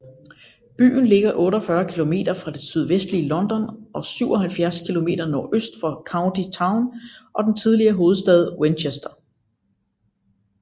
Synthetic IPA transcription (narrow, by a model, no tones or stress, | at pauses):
b̥y̰ːn̩le̝ɡ̥ɐʔɔ̽ːɾɒfɶɐkʰilo̝me̝̰ːd̥ɐfʁɑ̈d̥e̝syð̞ˠʋesd̥liːlɒ̽nd̥ɒ̽nʔɒ̽syʊɒ̽ɦælfjæɐskʰilo̝me̝̰ːd̥ɐnɒːʔøsd̥fɒ̽kʰɑ̈ʊnd̥it͡sʰɑ̈ʊnʔɒ̽d̥ent͡sʰið̞ˠliɐɦo̝ːð̞̩ˠsd̥ɛð̞ˠwenɕesd̥ɐ